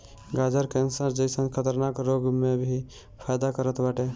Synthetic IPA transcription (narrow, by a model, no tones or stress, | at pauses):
ɡad͡ʒəɾkɛ̃nsəɾd͡ʒəɪsə̃nkʰət̪əɾnakɾoɡmẽbʱi | pʰajd̪akəɾət̪baːʈe